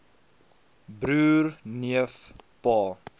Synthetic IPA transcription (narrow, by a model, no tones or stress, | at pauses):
bɾʉːrniəfpɑː